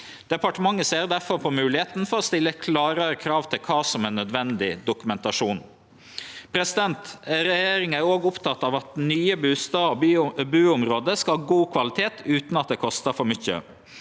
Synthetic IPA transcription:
d̪̥ɛpɑʈəmɑŋːəseːɾd̪æɾfɔɾpʰɔmʉːlɪheːt̪n̩fɔɾɔst̪ɪlːəkʰlɑːɾɑɾəkʰɾɑːʋt̪ʰɪlkʰɑːsɔmɛnːœd̪ʋɛnd̪ɪd̪ʊkʉmɛnt̪ɑʂuːn | pʰɾɛsɪd̪ɛnt̪ɾɛjeːɾɪŋæɾoːɡʊpt̪ʰɑt̪ːɑːʋɑt̪nyːəbʉːst̪ɑːobybʉːʊmɾoːd̪əskɑɑɡuːkʰʋɑlɪt̪ʰeːt̪ʉːt̪nɑt̪̚d̪eːkʰɔst̪əfɔɾmʏçə̰

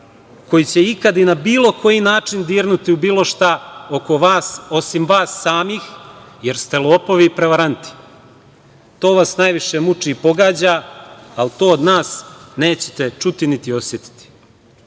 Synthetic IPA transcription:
ko̞jit͡ɕe̞ikad̪inabiːlˠo̞ko̞jinaːt͡ʂind̪iːɾnut̪iubiːlˠo̞ʃt̪aokoaso̞simʋaːsːaːmiːx | je̞ɾst̪e̞lo̞ːpo̞ʋipɾe̞ʋaɾant̪i̥ | t̪o̞ːʋasnajʋiʃemut͡ʂiːpo̞ɡaːd͡ʑaːlt̪o̞ːod̪naːsne̞ːt͡ɕe̥t̪e̞t͡ʃut̪init̪io̞sje̞t̪i̥t̪i̥

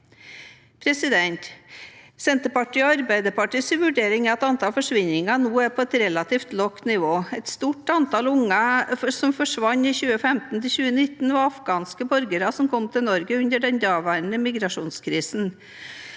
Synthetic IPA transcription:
pʰɾɛsɪd̪ɛnt̪ | sɛnt̪əpɑʈiːɑɾbæɪd̪əpɑʈiːsiʋʉɖeːɾɪŋɛɛt̪ɑnt̪ʰɑːlfɔʂʋɪɲɪŋɑnuːæɾpʰɔːɛt̪ɾɛlɑt̪ʰiːft̪lɔknɪʋoːɛt̪st̪uːʈɑnt̪ɑlʊŋɑsɔmfɔʂʋɑɲːiːçʉːəfɛmt̪n̩t̪ʰɪçʉːənɪt̪ːn̩ʋɑɾɑfɡɑːnskəbɔɾɡəɾɑsɔmkʰɔmt̪ʰɪlnɔɾɡəʉnd̪əɖɛnd̪ɑːʋæɳəmɪɡɾɑʂuːnskʰɾiːsn̩

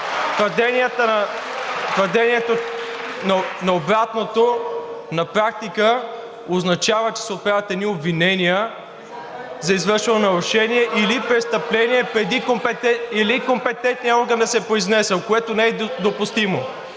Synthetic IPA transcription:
t̪vəɾd̪ɛniət̪ə | t̪vəɾd̪ɛniɛt̪onɐnɐobɾat̪not̪onɐpɾak̚t̪ikə | ʊznɐt͡ʃavət͡ʃɛ̥sɛot̪̚pɾavət̪ɛd̪niobvinɛnijə | zɐizvɤɾʃɛnonɐɾʊʃɛniɛʔilipɾɛt̪st̪ɐplɛniɛpɾɛd̪ikompɛt̪ɛilikompɛt̪ɛnt̪niəɔɾɡənd̪ɐsɛpɾoiznɛsəlˠkoɛt̪onɛɛd̪opʊst̪imo

